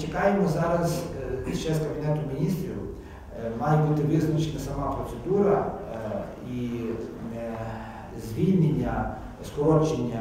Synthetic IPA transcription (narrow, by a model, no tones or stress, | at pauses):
t͡ʃɪkɑjemɔzɑɾɐzt͡ʃɛskɐbʲinɛt̪ʊmʲinʲist̪ɾʲiw | mɑjɛbut̪ɪʋɪznɐt͡ʃenɐsɐmɑpɾɔt̪sed̪uɾɐ | i | zʲʋʲilʲnʲenʲːɐ | skɔɾɔt͡ʃenʲːɐ